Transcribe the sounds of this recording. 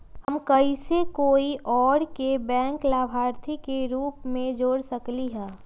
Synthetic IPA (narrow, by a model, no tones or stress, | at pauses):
həmkəisekoːiʔɔːɾkebɛ̃ːŋklaːbʱaːɾt̪ʰikeɾuːpmẽd͡ʒoːɽsəkliɦɛ̃ː